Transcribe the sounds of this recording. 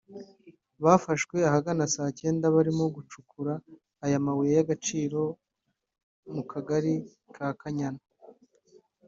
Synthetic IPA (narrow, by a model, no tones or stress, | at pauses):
βafaʃkwe̞ahaɡanasaːce̞ːndaβaɾimoɡut͡ʃukuɾaː | jamawejejaɡat͡ʃiːɾo̞ | mukʰaɡaɾi | kʰakaɲana